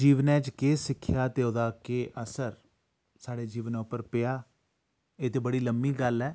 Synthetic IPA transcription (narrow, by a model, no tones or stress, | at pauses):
d͡ʒiːʋənɛ̃ːt͡ʃkeːsɪkʰːjaːt̪eːoːd̪aːkeːʔəsəɾ | saːɽeːd͡ʒiːʋənɛ̃ʊpːəɾpɪjaː | eːt̪eːbəɽiːləmbiːɡəlɛː